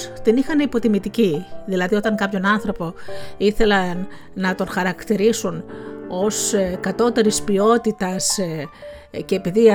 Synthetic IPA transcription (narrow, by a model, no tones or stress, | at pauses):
t̪inixɐneipo̞t̪imit̪iciðilɐðio̞t̪ɐŋkɐpço̞nɐnθɾo̞po̞iθe̞lɐnː | ɐt̪o̞nxɐɾɐkt̪iɾisuno̞skɐt̪o̞t̪e̞ɾispio̞t̪it̪ɐs | ce̞ːpiði